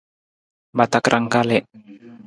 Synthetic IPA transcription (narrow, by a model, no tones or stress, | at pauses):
bat̪akɾʔaŋkalɛʔ